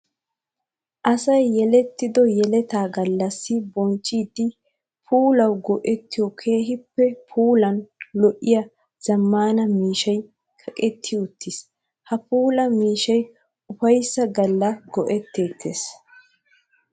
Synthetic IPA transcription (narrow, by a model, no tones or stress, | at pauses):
ʔɐsɐjːɛlɛt̪ːɪd̪ɔjɛlɛt̪aːɡɐlːɐsːɪbɔnt͡ʃʼːiːd̪ːɪ | pʰuːlɐwɡɔʔɛt̪ːɪjɔkʰe̞ːɦɪpːɛpʰuːlɐnlɔʔːɪjɐ | z̥ɐmːaːnɐmiːʃɐj | kʰɐkʼɛt̪ʰːɪjʊt̪ʰːɪs | hɐpuːlɐmiːʃɐj | ʊfɐjsːɐɡɐlːɐɡɔʔɛt̪ːe̞ːt̪ʰːeːs